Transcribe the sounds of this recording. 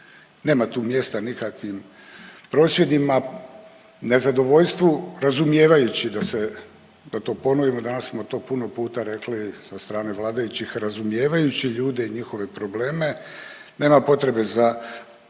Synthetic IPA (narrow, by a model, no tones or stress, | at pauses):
ne̞ːmat̪uːmje̞st̪anikakʋim | pɾo̞ːsʋje̞d̪ima | ne̞zad̪o̞ʋo̞ʎst̪ʋuɾazumje̞ːʋajut͡ɕid̪ase | d̪at̪o̞ːpo̞noʋimo̞d̪anassmo̞t̪o̞ːpuno̞puːt̪aɾe̞klisast̪ɾaːne̞ʋlˠaːd̪ajut͡ɕixɾazumje̞ːʋajut͡ɕiʎuːd̪e̞iɲixo̞ʋe̞pɾo̞ble̞ːme̞ | ne̞ːmapo̞t̪ɾe̞be̞za